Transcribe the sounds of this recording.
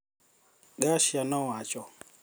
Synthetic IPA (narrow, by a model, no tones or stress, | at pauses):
ɡaʃianɔwat͡ʃɔ